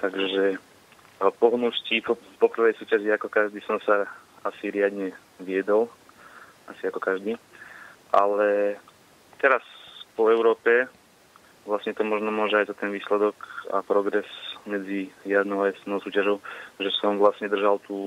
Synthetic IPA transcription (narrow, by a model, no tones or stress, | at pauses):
t̪aɡʒɛ | pɔɦnuscipɔpɔpr̩ʋɛjsuːcaʒiakɔkaʒd̪iːsɔmsaasiɾɪad̪ɲɛ | ʋɪɛd̪ɔl | asiakɔkaʒd̪iː | ʔalɛ | t̪ɛɾaspɔɛʊɾɔːpɛ | ʋlasɲɛt̪ɔmɔʒnɔmʊɔʒɛajzat̪ɛnʋiːslɛd̪ɔka̰pɾɔɡɾɛsmɛd͡zijad̪nɔʊaɛsnɔʊsuːcaʒɔʊʒɛsɔmʋlasɲɛd̪r̩ʒalt̪uː